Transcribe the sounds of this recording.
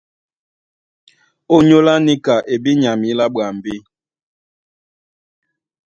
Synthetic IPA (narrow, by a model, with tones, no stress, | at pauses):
o˦ɲo˦la˦ni˦ka˨ʔe˨bi˦ɲa˨mi˦la˦ɓa˨m˨bi˦